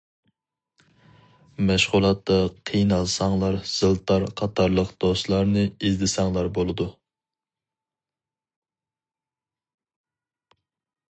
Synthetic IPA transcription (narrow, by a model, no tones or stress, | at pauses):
mɛʃʁulˠɑt̪ːɑqʰijnɑlˠsɑŋlˠɑɾz̥ɨlˠt̪ʰɑɾqʰɑt̪ʰɑɾlˠəqd̪̥ost̪lˠɑɾnɨizd̪ɪsɑŋlˠɑɾbolˠɨd̪u